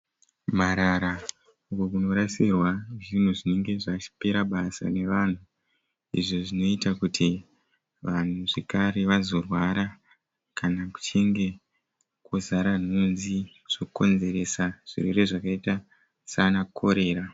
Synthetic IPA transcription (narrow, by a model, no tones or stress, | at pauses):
maɾaɾa | ukokuno̞ɾasirwaʐin̤uʐine̞ŋɡe̞ʐat͡ʃi̥pe̞ɾaɓasa̰ne̞ʋan̤u | ḭʐo̞ʐino̞itakutʰi | ʋan̤uʐe̞kaɾe̞ʋazo̞rwaɾa | kanaku̥t͡ʃe̞ŋɡe̞ | kozaɾan̤unzi | ʐ̥ouko̞nze̞ɾe̞saʐ̥ḭrwere̞ʐakaita | sanakʰo̞ɾe̞ːɾa